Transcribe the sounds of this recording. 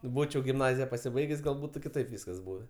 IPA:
ˈbuːt͡ʃʲɛʊ ɡʲɪmˈnɑːzʲɪjɛ pɐsʲɪˈbɐɪɡʲeːsʲ ɡɐlˠ ˈbuːtʊ kʲɪˈtɐɪp ˈʋʲiːskɐs ˈbuːʋʲeː

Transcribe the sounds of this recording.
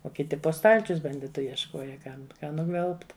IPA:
oː kʲɪˈtʲɪ poː ˈstɐlʲt͡ʃʲʊs bɐnʲˈdʲɪtʊ jiɛʃˈkoːjɛ ˈkɐm ˈkɑː nʊˈɡʋʲɛlˠpt

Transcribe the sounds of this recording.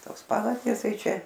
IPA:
ˈtoːs ˈpɑːʋɐrʲdʲeːs ˈtɐɪ ˈt͡ʃʲɛ

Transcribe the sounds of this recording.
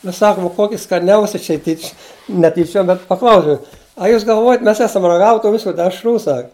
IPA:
nʊ ˈsɑːkʊm ˈkoːkʲɪ skɐˈnʲɛʊsʲɛ ˈt͡ʃʲɛ tʲiːt͡ʃʲ nʲɛ tʲiːˈt͡ʃʲuɔm bʲɛt pɐˈklˠɐʊsʲɛʊ ɐ ˈjuːs ɡɐlˠˈʋuɔjɛt ˈmʲɛs ˈæːsɐm rɐˈɡɑːʋʲɛ tuː ˈʋʲɪsʊ dʲɛʃˈruː sɐk

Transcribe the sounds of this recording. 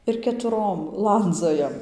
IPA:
ɪr kʲɛtʊˈroːm ˈlˠɐnd͡zoːjɛm

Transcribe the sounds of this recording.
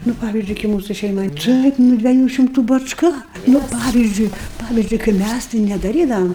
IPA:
ˈnʊ ˈpɑːʋʲɪzʲd͡ʒʲʊɪ kɐɪ ˈmuːsʊ ˈʃʲɛɪmɐɪ ˈtɐɪp nʊ dʲʋʲiɛˈjuː ʃʲɪmˈtuː bɐt͡ʃˈkɐ ˈnʊ ˈpɑːʋʲɪzʲd͡ʒʲʊɪ ˈpɑːʋʲɪzʲd͡ʒʲʊɪ kɐɪ ˈmʲæs tɐɪ nʲɛdɐˈrʲiːdɐʋɐm

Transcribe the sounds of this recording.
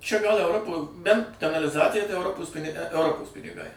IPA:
t͡ʃʲɛ ɡɐlˠ ɛʊˈroːpoː bʲɛnt kɐnɐlʲɪˈzɑːt͡sʲɪjɛ tɐɪ ɛʊˈroːpoːs pʲɪnʲɪ ɛʊˈroːpoːs pʲɪnʲɪˈɡɐɪ

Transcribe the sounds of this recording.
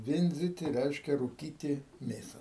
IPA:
ˈʋʲɪnʲd͡zʲɪtʲɪ ˈrʲɛɪʃʲkʲɛ ruːˈkʲiːtʲɪ ˈmʲeːsɐ

